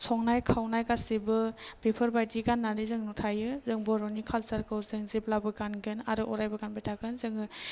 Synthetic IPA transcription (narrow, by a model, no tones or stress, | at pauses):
sʰɔŋnajkʰawnajkasibɯb̥ipʰɯɾbajdiɡanːalizɯŋnutʰajɯzɯŋbɔɾɔnikʰalsaɾkʰɯwzɯŋziplabɯɡanɡɯnaɾɯʔɔɾajbɯɡanbajtʰaɡɯnzɯŋɯ